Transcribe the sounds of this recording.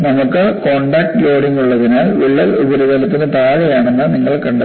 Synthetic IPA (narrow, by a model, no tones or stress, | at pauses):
nɐmukːɨkoːɳɖɐːk̚ʈlo̞ːɽiŋɡuɭːɐðinaːlʋiɭːɐlubɐɾuðɐlɐt̪ːinɨt̪aːɻɐjaːɳenːɐniŋːɐɭkɐɳɖɐ